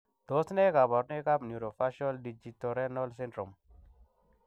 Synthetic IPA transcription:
d̪̥o˦sne˦ka˨bɔ˨ɾne˦ka˦bnju˨ɾo˨fa˦ʃɔ˦ldi˨d͡ʒi˨tɔ˨ɾɛ˦nɔ˦lsɪ˦ntɾɔ˨m

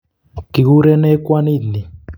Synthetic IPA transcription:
ɡ̥i˨k̬u˦ɾɛ˦nɛ˦kwa˦niː˦ni˨

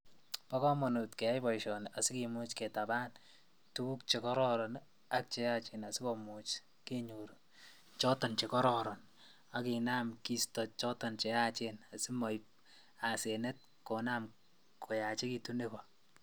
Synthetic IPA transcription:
pa˦kɔ˦mɔ˨nu˨tkɛ˨a˦jpɔ˨jʃɔ˨nʔa˨si˦kimu˦t͡ʃke˨ta˨ba˦n | tu˦ku˦k̚t͡ʃe˨kɔ˦ɾɔ˦ɾɔ˨n | a˦k̚t͡ʃe˦ja˦t͡ʃe˨na˨si˦kɔ˨mut͡ʃ | ke˦ɲuɾ | t͡ʃɔ˦tɔ˨nt͡ʃe˨kɔ˦ɾɔɾɔ˨n | a˨ki˨na˦mki˦stɔ˨t͡ʃɔ˦tɔ˨nt͡ʃe˨ja˦t͡ʃena˨si˦mɔ˨jp̚ | a˨se˨nɛ˦t̚ | ko˨na˦m | kʰo˨ja˨t͡ʃe˦ki˧tune˦bɔ

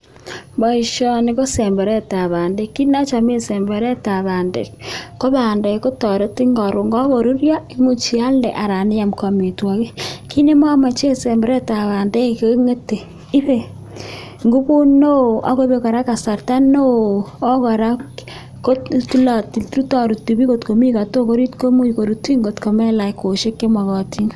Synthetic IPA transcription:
bɔ˦i˨ʃɔ˦ni˦ko˦sɛ˨mbɛ˨ɾɛ˦ta˨βa˨nde˦kːi˦na˦t͡ʃa˨me˦sɛ˨mbe˨ɾɛ˦ta˨βa˨ndḛ˨kko˦βa˨nde˨˦ko˦tɔ˨ɾe˦ti˦ŋɡɔ˨ɾo˨ŋɡɔ˦ɣo˨ɾu˦ɾja˦i˦mu˦t͡ʃi˨˦a˦ldɛ̰˨ʔa˨ɾa˨nɪ˦ja˨mka˨me˨twɔ˨ke˦ki˦ne˦ma˦ma˨t͡ʃe˦se˨mbɛ˨ɾɛ˦ta˨βa˨nde˦˨ke˦ŋe˦te˨ | i˦be˨ | ŋɡu˦bu˦no˦a̰˦ko˦be˨kɔ˨ɾa˦ka˨sa˨rta˦no˦ɔ˦kɔ˨ɾa˦k | ko˦tu˦la˨ti˨tɾu˦tɔ˨ɾu˨tu˨bi˦ko˨tko˨mi˦ka˨to˦ko˦ɾi˦tko˦mu˦˨ko˨ɾu˨ti˦ŋɡo˨tko˨mɛ˦la˨ko˨ʃe˦kːe˦ma˨kɔ˨ti˦ŋ

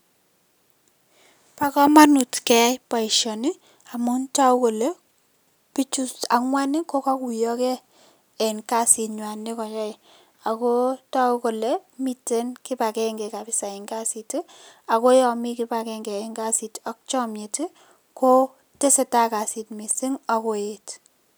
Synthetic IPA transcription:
pa˦kɔ˦ma˦nu˨tkɛ˦jpa˨iʃɔ˨ni˦ | a˨mʊ˦nta˦u˦ko˨le˦ | pi˦t͡ʃu˦a˨˦ŋwa˦ni˦ko˦kɔ˦ku˨jɔ˦kɛ˦ | ɛ˨ŋka˦si˨tɲwa˨nːe˦kɔ˨ja˦˨ | a˨ko˦ta˦u˦ko˨lɛ˨mi˨te˦nkɪ˦pa˨kɛŋɡɛ˨ka˨pɪ˦sa˨i˨ŋka˦si˨ti˦ | a˨ko˦jɔ˨mi˦kɪ˦pa˨kɛ˦ŋɡɛ˨ɛ˨ŋka˦si˨tɔ˦k̚t͡ʃɔ˦mje˨ti˦ | ko˦ | te˦se˨ta˦ka˨si˨tmi˨si˦ŋa˨ko˦e˨t

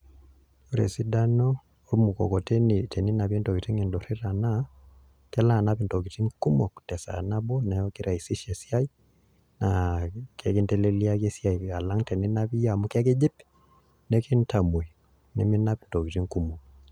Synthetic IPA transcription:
o˦ɾɛ̰˨si˦da˦nɔ˦ | o˦mu˨kɔ̰˨kɔ˨tɛ˦ni˨tɛ˨ni˦na˨βɛ˦ntɔ˨ki˨ti˦ŋɛ˨ndɔ˨ɾi˦ɾa˨na˦ | kɛ˦la˦˨na˦pi˨ntɔ˨ki˨ti˦ŋku˦mɔ˨ku̥tɛ˨sa̰˨na˦bɔ˦na˨jɔ˦ki˦ɾa˨i˨si˦ʃɛ˨si˦a˦i˦ | na˨kɛ˦ki˦ntɛ˦lɛ˦li˦a˦kɛ˦si˦a˨ia˨la˦ŋtɛ˨ni˦na˦βi˦ja˨mu˦kɛ˦ke˦d͡ʒi˦p | nɛ˦kɛ˦n̩ta˨mu˨i˨ | nɛ˨mi˦na˦pi˨ntɔ˨ki˨ti˦ŋku˦mɔ˨

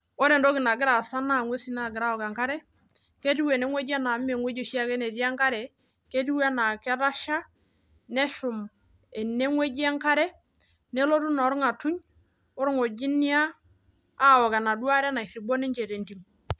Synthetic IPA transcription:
ɔ˦ɾɛ˨ndɔ˦ɡɪ˨na˨ɡɪ˦ɾa˨sa˦na˦˨ŋwe˦si˦na˨ɡɪ˨ɾa˦ɔ˨ka˨ŋka˦ɾɛ˦ | ke˦ti˦we˨ne˦ŋwe˦d͡ʒa˦na˨˦m˦e˨ŋwe˦d͡ʒe˦ʃi˦a˦kɛ˦ne˨ti˦a˦ŋka˦ɾɛ˨ | ke˦ti˦wa˦na˨kɛ˦ɾa˦ʃa˦ | nɛ˦ʃʊ˨m | ɛ˨ne˦ŋwe˦d͡ʒa˦ŋka˦ɾɛ˦ | nɛ˦lo˦tu˦na˨ɔ˦ɾu˦ŋa˨tu˦ɲ | ɔ˦ɾu˦ŋo˨d͡ʒi˦ni˦aː˦˨ | wɔ˨ka˨na˨du˦a˦ɾɛ˦na˨i˨ɾi˨bɔ˦nɛ˦ɲt͡ʃe˨te˨nti˨m

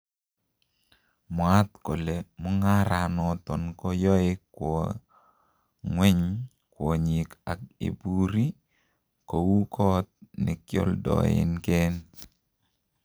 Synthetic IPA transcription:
mwa˦t̪ko˨le˨mʊ˦ŋa˦ɾa˨nɔ˨t̪ɔ˨nkɔ˦jɔ˦ɪ˦kːwɔ˨ | ŋwɛ˦ɲ | kwɔ˨ɲi˨ka˨k̚ḛ˨bu˦ɾi˦ | ko˨wu˦kʰɔ˦t̪̚nɪ˨kjɔ̰˦ldɔ̰˨ɪ̰˦nke˦n

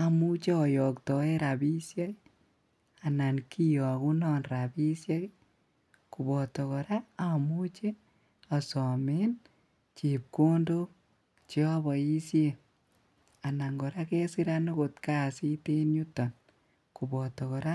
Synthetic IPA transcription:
a˨mu˦t͡ʃe˦ɔ˨jɔ˨ktɔ˨e˦ɾa˨bi˦sja˦ | a˨na˨nkʰi˦jɔ˨a˨ku˦nɔ˦nɾabi˦sja˦k | ku˨bɔ˨tɔ˨kɔ˨ɾa˦a˨mu˦t͡ʃe˦ | a˨sɔ˨me˦n | t͡ʃi˨p̚ko˦ndo˦k | t͡ʃi˦a˦βɔ˨i˦sje˨ | a˨na˨ŋɡɔ˨ɾa˦kɛ˦si˦ɾa˦no˦ko˨tka˦si˦te˦nɲu˦tɔ˨n | ku˨bɔ˨tɔ˨kɔ˨ɾa˦

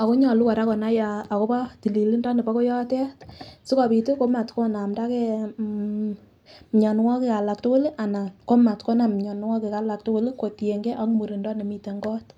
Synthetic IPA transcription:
a˨ko˦ɲɔ˨lu˦ka˨ɾa˦kɔ˨na˦jaː˨ko˦pa˦ti˨li˨li˦ndɔ˦ne˨pa˦ko˦jɔ˦tɛ˦tsi˦ka˨pi˨ti˦ko˦ma˨tkɔ˦na˨mda˦ke˦ | mɲa˨n˦wɔ˦ke˨ka˨la˨k̚to˦ko˦li˦ʔa˨na˨ko˦ma˨tko˦na˨m˨ɲɔ˨n˦wɔ˦ke˨ka˨˦la˨k̚to˦ko˦li˦ko˨tje˨ŋɡe˦ʔa˦kmu˨ɾi˨ndɔ˦ne˨mi˨te˨ŋɡɔ˦t

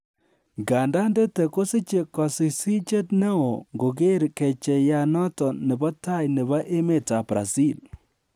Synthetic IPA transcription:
ɡa˨nda˦nde˦tɛ˨ko˦si˦t͡ʃe˨kɔ˨si˨si˦t͡ʃe˦tnɛ˦o˨ŋɡo˨ɡe˦ɾkɛ˨t͡ʃɛ˨ja˨nɔ˦tɔ˨nɛ˨ba˦ta˦˨jnɪ˨βa˦ʔe˦me˦˨ta˨bɾa̰˨si˦˨l

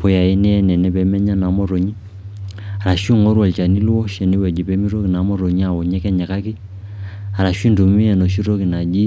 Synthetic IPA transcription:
po˨ja˨ɛ˦nɛ˦ɛ˦nɛ˨nɛ˦pɛ˨˦mɛ˦ɲa˦na˨˦mɔ˦ɾo˨ɲi˦ | a˨ɾa˨ʃi˦˨ŋɔ˦ɾwɔ˨lt͡ʃa˨ni˦lu˦ɔ˦ʃɛ˨ni˦wɛ˨d͡ʒi˨pɛ˨˦mi˦ɾo˦ki˨na˨˦mɔ˦ɾo˨ɲi˦a˨wɔ˨ɲɛ˦kɛ˦ɲɛ˨ka˦ki˦ | a˨ɾa˨ʃwi˦ndo˨mi˦ɛ˨nɔ˨ʃi˦ɾo˦ki˨na˨d͡ʒi˦

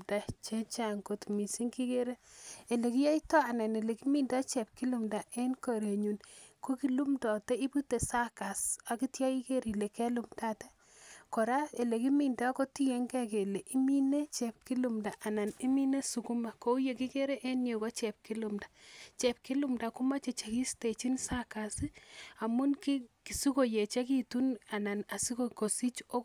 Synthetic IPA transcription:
da˨t͡ʃe˦t͡ʃa˨ŋɡo˨tmi˨si˦ŋki˦ke˦ɾe˦e˨le˨ki˦ja˦i˦tɔ˦a˨na˨ne˨le˨ki˦mi˦nda˦t͡ʃɛ˨p̚ki˦lu˨mda˨ʔe˦nko˨ɾe˨ɲu˨nko˦ki˦lu˦mdɔ˨tɛ˦i˦bu˦te˨sa˦ka˨sa˨ki˦tja˦i˦ke˦ɾi˨le˨ke˦lu˨mta˦tɛ˦ | kɔ˨ɾa˦e˨le˨ki˦mi˨nda˦ko˦ti˦je˦ŋɡɛ˦ke˨le˨ʔi˦mi˦ne˦t͡ʃɛ˨p̚ki˦lu˨mda˨ʔa˨na˨ni˦mi˦ne˦su˨ku˦ma˨ko˦u˦je˨ki˦ke˦ɾe˦ʔe˦nje˨ko˦t͡ʃɛ˨p̚ki˦lu˦mdḁt͡ʃɛ˨p̚ki˦lu˦mda˨ku˦ma˦t͡ʃe˨t͡ʃe˨ki˦ste˨t͡ʃi˦nsa˦ka˨si˦a˨mu˦nki˦ki˨su˦ko˨je˨t͡ʃa˦ki˨tu˦na˨na˨na˨si˦koko˨si˦t͡ʃo˦

